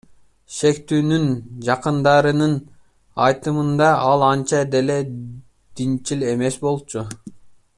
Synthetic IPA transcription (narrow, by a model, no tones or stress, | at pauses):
ʃe̞kt̪yːnynd͡ʒɑqɯnd̪ɑɾɯnɯn | ɑjt̪ɯmɯnd̪ɑɑlˠɑnt͡ʃɑd̪e̞le̞ | d̪̥int͡ʃile̞mesbo̞lˠt͡ʃʰu